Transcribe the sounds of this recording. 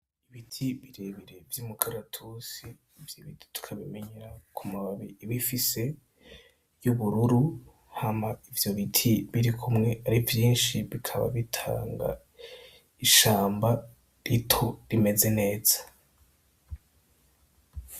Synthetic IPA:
iβitʰiβiɾeβiɾe̞vjumukʰaɾatʰusiː | vjiβitʰi̥tu̥kʰaβime̞ɲeɾakʰumaβaβiiβifise̞ | juβuɾuɾu | hamaivjo̞βitʰiβiɾikʰumŋe̞aɾivjiːnʃiβikʰaβa̰βitʰa̰ːŋɡa̰ | iʃaːmba | ɾitʰoɾime̞ze̞ne̞ːz̥ḁ

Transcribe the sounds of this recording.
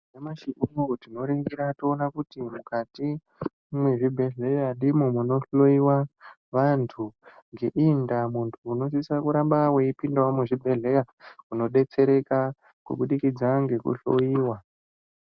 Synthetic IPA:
nemaʃiuotino̞ɾiŋɡiɾatoːnakutimukati | mweʐibʱe̞ɮe̞jaɗimomuno̞ɬo̞iwa | ʋantʰuŋɡe̞ʔindamuntʰuːno̞s̬isakuɾambaweipindawomuʐibʱe̞ɮe̞ja | uno̞ɗe̞t͡se̞ɾe̞ka | kṵɓuɗikid͡zaŋɡe̞kṵɬo̰jiːwa

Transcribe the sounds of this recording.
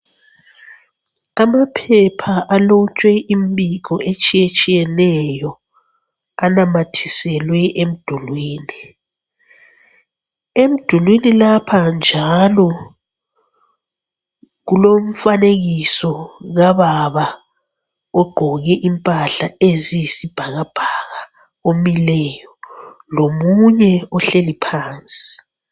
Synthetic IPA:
amapʰɛpʰaʔalot͡ʃʼwɛʔimbiɣɔʔet͡ʃʼijet͡ʃʼijɛnɛjɔ | anamatʰi̥sɛlwɛʔem̩d̥ʱulwiːni | em̩d̥ʱulwinilapʰand͡ʒʱalɔ | ɣulom̩faneɣisɔɣaβaβa | ɔɡ͡ǃʱɔɣɛʔimpʼaɬaezisib̥ʱaɣab̥ʱaɣa | omilɛjɔ | lomuɲɛɔɬelipʰaːnt͡sʼi̥

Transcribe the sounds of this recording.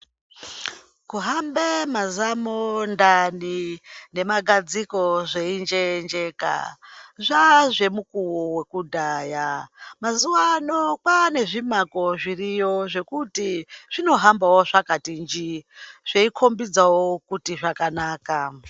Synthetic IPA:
kuɦambemazamondanine̞maɡʱad͡ziko̞ʐeind͡ʒend͡ʒe̞ka̰ʐaʐe̞mukuwowe̞kudʱajamazuwanokwane̞ʐimako̞ʐirijo̞ʐe̞kutiʐ̥ino̞ɦambawoʐakatind͡ʒiʐ̥eikʰo̞mbid͡zawokutiʐakanaːka

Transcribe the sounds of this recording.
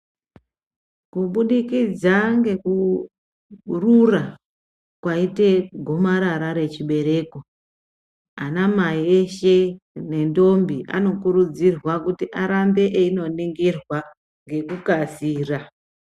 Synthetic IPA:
kuɓuɗikid͡zaŋɡe̞ku | rura | kwaite̞ɡʱo̞maɾaɾaɾe̞t͡ʃiɓe̞ɾe̞ːko̞ | anamaieʃe̞ne̞ndo̞mbiʔa̰no̞kuɾud͡zirwakutiʔaɾambe̞ʔeino̞niŋɡirwa | ŋɡe̞kukasiːra

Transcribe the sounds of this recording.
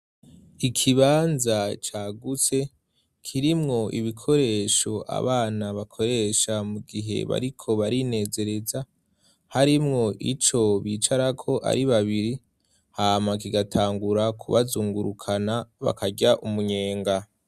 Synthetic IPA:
ikʰiβaːnzat͡ʃaːɡut͡se̞ | kʰiɾimŋo̞ʔiβikʰo̞ɾe̞ːʃo̞ʔa̰βaːnaβakʰo̞ɾe̞ːʃamuɡiɦe̞̰βa̰ɾikʰo̞βaɾine̞ːze̞ɾe̞za | haɾimŋo̞ʔit͡ʃo̞βiːt͡ʃaɾakʰo̞ʔa̰ɾiβaβiɾi | haːmak̬iɡatʰaːŋɡuɾakʰuβazuːŋɡuɾukʰanaβa̰kaɟaʔumuɲe̞ːŋɡa

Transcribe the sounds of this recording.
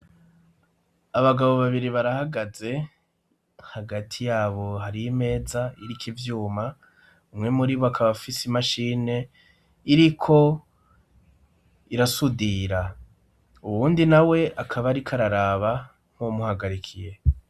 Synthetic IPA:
aβaɡaβo̞βaβiɾiβaɾahaɡaze̞ | haɡatʰijaːβo̞ɦaɾime̞ːzaiɾikʰivjuːma | umŋe̞muɾiβoakʰaβafisimaʃiːne̞ | iɾikʰo̞ | iɾasudiːɾa | uβuːndinawe̞ʔakʰaβaɾikʰaɾaɾaːβa | ŋ̥homuhaɡaɾikʰije̞

